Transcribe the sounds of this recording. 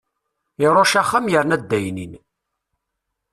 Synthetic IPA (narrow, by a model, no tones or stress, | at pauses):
ɪɾˤoʃæχːamjəɾnæd̪ːæjnin